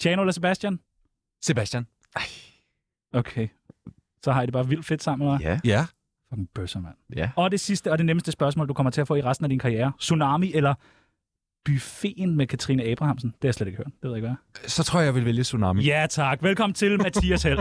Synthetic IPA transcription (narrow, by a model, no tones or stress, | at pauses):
t͡ɕʰjɛːnoelɐse̝b̥æsd̥jæn | se̝b̥æsd̥jæn | okʰeɪ | sɒ̽hɑ̈jdeb̥ɑːʋil̰d̥fe̝d̥sɑ̈m̰n̩nɑɪ | fɒɡ̥n̩b̥øsɐmæn̰æɒ̽de̝sisd̥əɒ̽de̝neməsd̥əsb̥ɶɐs̬mɔ̰ːld̥ukʰɒ̽m̰ɐt͡sʰe̝æɐfɔ̰ːiʁasd̥n̩æd̥inkʰɑ̈ʁijeːɐsunɑ̈ːmiʔelɐ | b̥yfe̝ːnmekʰæt͡sʰʁinəɛːb̥ʁɑ̈hɑ̈msn̩d̥eaɑjsled̥eɡ̥høɐ̰d̥de̥ʋeðˠeɡʋæsɒt͡sʰʁɔɐ̰jaɪʋe̝lʋeljəsunɑːmijæt͡sʰɑ̈ɡ̥ʋelkʰɒ̽m̰n̩t͡sʰe̝lmmæt͡sʰḭæshel̰